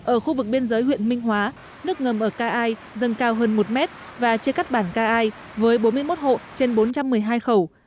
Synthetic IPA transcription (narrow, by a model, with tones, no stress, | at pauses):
ʔəː˧˩xu˧vɨ˨˩k̚ɓi˧ənzəː˨˦jhw̰ənmï˧ŋ̟ɦwaː˨˦ | nɨ˦˥ək̚ŋə˨˩mʔəː˧˩kaː˧ʔaː˧j | zə˨˩nkaː˧wɦəː˧nmo˨˩t̚mɛ˦˥t̚ | vaː˨˩t͡ɕi˧əka˦˥k̚ɓaː˧˩nkaː˧ʔaː˧j | vəː˨˦jɓo˨˦nmɨ˧əjmo˦˥t̚ho̰˧˨t͡ɕe˧nɓo˨˦nt͡ɕa˧mːɨ˨˩əjɦaː˧jxə˧˩w